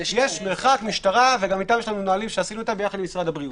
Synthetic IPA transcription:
jeʃmeʁχakmiʃtaʁaveɡamit̪aːmjeʃlanunaːlimʃeasinuet̪ambe̞jaχad̪limisʁad̪abʁiut

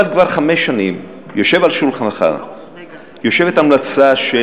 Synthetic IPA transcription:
ad̪̚kvaʁχameʃːanim | jo̞ʃe̞valʃulχanaχa̰ | jo̞ʃe̞vet̪amlat͡saʃe

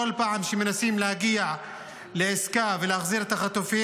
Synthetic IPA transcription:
olpaʕamʃemenasimlehaɡiaʕ | leeskaveleaχziʁet̪aχat̪ofi

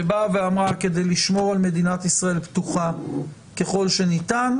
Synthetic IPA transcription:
ebaveamʁake̞d̪ejliʃmo̞ʁalme̞d̪inat̪isʁae̞lpt̪uχa | ke̞χo̞lʃe̞nit̪an

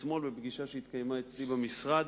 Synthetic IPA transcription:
smo̞lbebɡiʃaʃehit̪kajemaet͡slibamisʁad̪

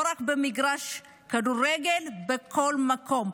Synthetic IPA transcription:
ɾakbemiɡɾaʃ | kad̪uɾeɡelbekʰolmakʰom

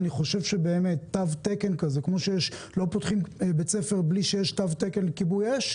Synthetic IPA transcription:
niχo̞ʃe̞vʃebe̞ːmet̪ːavtekenkazekmo̞ʃejeʃ | lo̞potχimbet͡sefeʁbliʃejeʃtavtekenlekibujeʃ

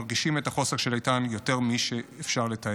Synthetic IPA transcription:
ʁɡiʃimetaχo̞seʁʃelajtanjo̞te̞ʁmiʃeːfʃaʁleta

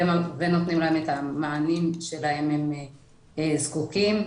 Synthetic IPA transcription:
emavenot̪nimlahemet̪hamaʕanimʃelahe̞mhem | ezkukim

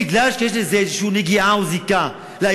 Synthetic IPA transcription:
iɡlalʃejeʃ̬lezezʃuniɡiauzika | la

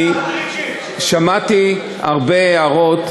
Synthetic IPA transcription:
ʃamat̪i | a̰ʁbeaʁot̪

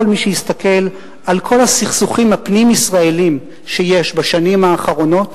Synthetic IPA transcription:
lmiʃejist̪ake̞l | ʔalkʰo̞lasiχsuχimhapnimisʁae̞lim | ʃeje̞ʃbaʃanimhaːχaʁo̞no̞t

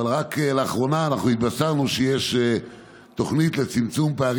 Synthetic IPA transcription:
alʁakleaχʁo̞naːnaχnuit̪̚basaʁnuʃejeʃ | t̪o̞χnit̪let͡simt͡sumpeaʁ

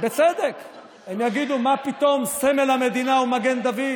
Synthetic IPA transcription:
bet͡sed̪ek | emjaɡid̪umapit̪o̞msemelhame̞d̪inaumaɡe̞nd̪avi

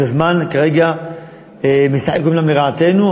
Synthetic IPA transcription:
azmankaʁeɡa | emisaħekumlamleʁaat̪e̞nu

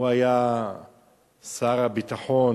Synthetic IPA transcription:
uaja | saɾabit̪aħo

